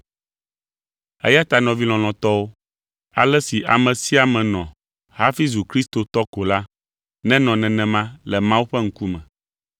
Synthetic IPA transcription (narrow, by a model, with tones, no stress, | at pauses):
ɛ̰˦ja˦t̪a˨nɔ̃˨vi˦l̃ɔ̃˨lɔ̃˨t̪ɔ˦wo˦ | a˨lɛ˦si˨ʔa̰˨mɛ̃˨si˦a˨mɛ̃˨nɔ̃˨ | ha˦fi˦zu˨kɾi˦st̪o˨t̪ɔ˦ko˨la˦ | nɛ̃˦nɔ̃˨nɛ̃˨nɛ̃˨mã˦lɛ˨mã˦wu˦ɸɛ˦ŋ̩˦ku˦mɛ̃˨